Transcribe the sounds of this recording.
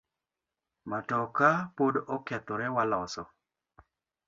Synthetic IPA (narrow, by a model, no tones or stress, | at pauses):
matɔkapodɔkɛt̪ɔɾɛwalɔsɔ